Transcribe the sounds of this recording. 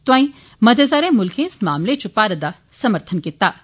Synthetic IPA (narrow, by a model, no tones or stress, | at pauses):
t̪uãːĩ | mɐd̪ʱezaɾẽmʊlkʰẽːsmaːmlet͡ʃʰʊpːaːɾɐd̪a | sɐməɾt̪ʰənkit̪ːaː